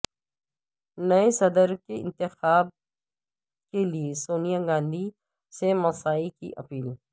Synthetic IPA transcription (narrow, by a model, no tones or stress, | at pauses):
nɐesɐd̪əɾkeɪ̰̃nt̪ɪxaːb̚ | keliesoːnijaɡãːnd̪ʱi | semɐsaːikḭʔɐ̰piːl